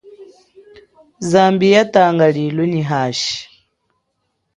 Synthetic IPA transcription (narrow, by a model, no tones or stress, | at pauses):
zambijataŋɡalilwɛniɦaʃi̥